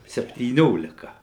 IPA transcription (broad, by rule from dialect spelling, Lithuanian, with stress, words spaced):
sʲɛpʲtʲiːˈnʲoːlʲɪkɐ